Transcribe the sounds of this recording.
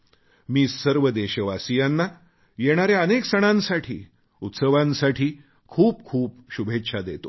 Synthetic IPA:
miːsəɾʋəd̪eɕəʋasijanːa | jeɽ̃aɾjaəneksəɽ̃ãnsaʈʰḭː | ut̪səʋãnsaʈʰiː | kʰuːp̚kʰuːpɕubʱet̪ːɕʰad̪et̪o

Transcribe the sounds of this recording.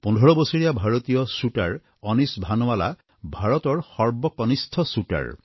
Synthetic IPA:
pundʱɔɹɔbɔsɔɹijabʱaɹɔt̪ijɔsuʈaɹ | ɔnisbʱanɔwala̰ | bʱaɹɔt̪ɔɹxɔɹbɔkɔnist̪ʰɔsuʈa̰ɹ

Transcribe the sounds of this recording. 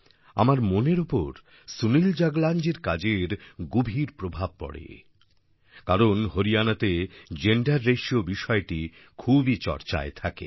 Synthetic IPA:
a̰maɾmoneɾopo̰ɾ | sunild͡ʑaɡland͡ʑeɾkad͡ʑeɾɡubʱiɾpɾobʱab̚pɔ̰ɽḛ | kaɾonɦoɾianat̪ed͡ʑeɳɖaɾːeʃiobiʃɔeʈi | kʰubit͡ɕɔ̰ɾt͡ɕa̰et̪ʰakḛ

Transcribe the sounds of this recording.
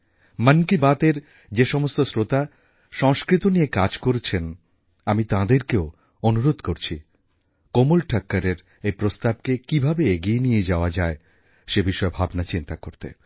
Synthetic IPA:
mənkibat̪eɾ | d͡ʑeʃɔmost̪osɾot̪a | ʃɔŋskɾit̪oniekad͡ʑkoɾet͡ɕʰen | amit̪ãd̪eɾkeo | onuɾod̪ʱkoɾt͡ɕʰi | komolʈʰakːaɾeɾ | ejpɾost̪ab̚kekibʱabeeɡienijed͡ʑaoad͡ʑae | ʃebiʃɔebʱabnat͡ɕint̪akoɾt̪ḛ

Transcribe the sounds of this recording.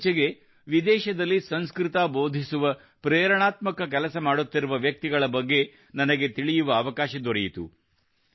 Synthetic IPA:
t͡ʃɛɡe̞ | ʋid̪ɛːʃɐd̪ɐlːisɐnskɾɪt̪aboːd̪ʱisuʋɐ | pɾɛːɾɐɳaːt̪mɐkɐk̬ɛlɐsɐmaːɽut̪ːiɾuʋɐʋjɐk̚t̪iɡɐɭɐbɐɡːe̞ | nɐnɐɡe̞t̪iɭijuʋɐːʋɐkaːʃɐd̪ɔɾɛjit̪ṵ

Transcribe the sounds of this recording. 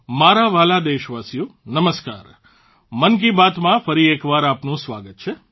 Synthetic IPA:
maɾaʋalad̪eʃʋasjũnəməska̰ːɾ | mənk̬ibat̪mãfəɾiekʋaɾapnũsʋaɡət̪̚t͡ʃʰe

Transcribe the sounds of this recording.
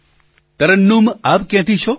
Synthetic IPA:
t̪ɐɾənːumapkjãt̪ʰit͡ʃʰo

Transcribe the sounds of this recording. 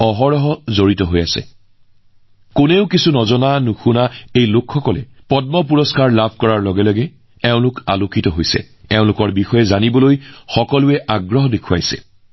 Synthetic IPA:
ɔɦɔɹɔɦɔzoɹitɔɦojasɛ̰ | kʊneʊkisunɔzɔnanuxunaejlʊkxɔkɔlɛ̰pɔd̚mɔpuɹɔskaɹlabʱkɔɹaɹlɔɡɛlɔɡɛ | ɛʊ̃lʊka̰lokʰitɔɦojsɛ̰ | ɛʊ̃lʊkɔɹbixɔjɛzanibɔlojxɔkɔlʊɛʔaɡɹɔɦɔdekʰua̰jsɛ̰

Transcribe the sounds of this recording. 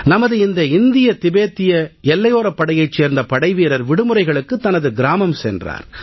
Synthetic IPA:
nɐmɐðɯɪnd̪ɐɪnd̪ɪjɐt̪ɪbeːt̪ːɪjɐɛlːɐjoːɾɐpːɐɽɐjɐɪt͡ʃːeːɾnd̪ɐpɐɽɐɪʋiːɾɐɾʋɪɽɯmɯɾɐɪɣɐɭɯkːɯt̪ːɐnɐðɯɡɪɾaːmɐmsɛ̰ndra̰ːɾ

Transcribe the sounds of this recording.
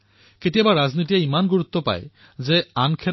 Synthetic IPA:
ketiebaɾːad͡ʑnit̪̬ijaimanɡuɾut̪ːopa̰e | d͡ʑeankʰe

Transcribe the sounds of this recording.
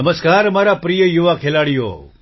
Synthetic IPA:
əməskaːɾmaɾapɾijəjuʋakʰelaɽijo̰ː

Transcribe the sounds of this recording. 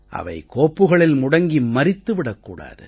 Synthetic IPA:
ʔɐ̰ʋɐ̰ɪkoːpːɯɣɐɭɪlmʊɽɐŋɡimɐɾɪt̪ːɯʋɪɽɐkːuːɽa̰ːðɯ

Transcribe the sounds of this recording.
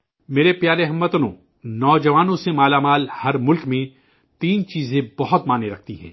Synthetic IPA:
meːɾepjaːɾeɦɐmːət̪nõ̰ | nɔːd͡ʒɐʋaːnõsemaːlamaːlhɐɾmʊlkmẽ | t̪iːnt͡ʃiːzẽbɐɦʊt̪maːneɾɐk̚ʰt̪iɦɛ̰̃ː

